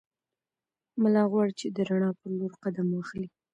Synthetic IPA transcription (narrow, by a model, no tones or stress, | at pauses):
malɑɣwɑɽt͡ʃed̪əɾaɳɑpəɾloɾqad̪amwaxli